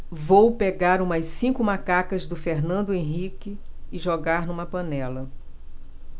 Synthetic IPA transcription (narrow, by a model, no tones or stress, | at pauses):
vowpeɡaɾũmɐsĩkʊmakakɐzd̪ʊfeɾnɐ̃nd̪ʊẽɦikɪɪʒoɡaɾnũmɐpɐ̃nɛlɐ